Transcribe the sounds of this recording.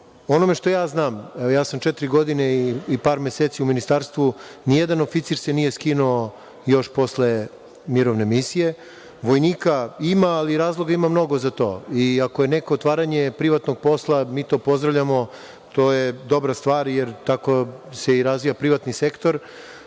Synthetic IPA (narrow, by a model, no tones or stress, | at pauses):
o̞nome̞ʃt̪o̞jaːznaːmjaːsamt͡ʃɛt̪ɾiɡo̞d̪ineiipaːɾme̞set̪siuminist̪aːɾst̪ʋunijed̪anofit̪siɾsenije̞skinuo | jo̞ʃpo̞sle̞ | miɾoʋne̞misije̞ | ʋojniːkaimaːliɾaːzlˠoɡaimamno̞ɡo̞zat̪o̞̰ːiako̞jeneko̞ːt̪ʋaːɾaɲe̞pɾiʋat̪noɡ̚po̞slˠamiːt̪o̞ːpo̞zd̪ɾaʋʎʲamo̞ | t̪oːjed̪o̞bɾast̪ʋaːɾjeɾt̪akose̞iɾazʋijapɾiʋat̪nisekt̪oɾ